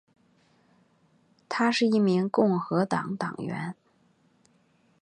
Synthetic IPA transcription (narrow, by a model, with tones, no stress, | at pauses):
t̪ʰa˥ʂɻ̩˥˧i˥˩mi˧˥ŋkʊ˥˩ŋxɤ˧˥t̪ɑ̰˨˩ŋt̪ɑ̰˨˩ŋɥɛ̰˧˥n